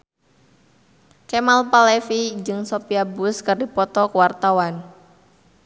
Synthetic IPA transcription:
t͡ʃemalpalefid͡ʒɨŋsopiabʊskɨrdipɔt̪ɔkəwart̪awan

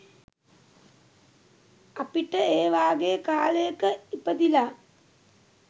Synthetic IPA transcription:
apiʈəeːʋaːɡejəkaːləjəkəipəd̪ila

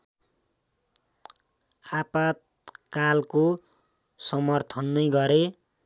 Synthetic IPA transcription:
apat̪̚ | kalko | sʌmʌrt̪ʰʌnːʌjɡʌɾe

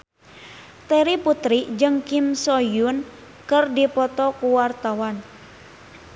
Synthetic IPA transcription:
t̪eɾiput̪ɾid͡ʒɨŋkimsɔjun | kərdipɔt̪ɔkuwart̪awan

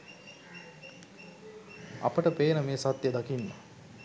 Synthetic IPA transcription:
ɐ̰pəʈəpeːnəmeːsat̪jəd̪akinːa̰

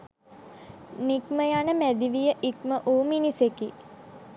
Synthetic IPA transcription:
nikməjanəmæd̪iʋijəʔikməʔoːminiseki

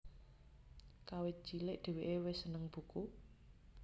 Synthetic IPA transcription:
kawɪt̪̚ʒ̥ilɪʔd̪̥e̤weʔewɪsənəŋb̥ṳku

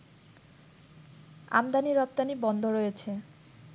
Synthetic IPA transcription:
a̰md̪aniɾɔp̚t̪anibɔnd̪ʱoɾojet͡ɕʰe

